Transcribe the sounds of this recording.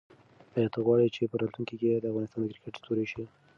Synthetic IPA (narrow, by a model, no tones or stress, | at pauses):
ajɑt̪ʰaɣwɑɽit͡ʃepəɾɑt̪luŋkiked̪əafɣɑnɪst̪ɑnd̪əkɾɪkɪʈst̪oɾeʃi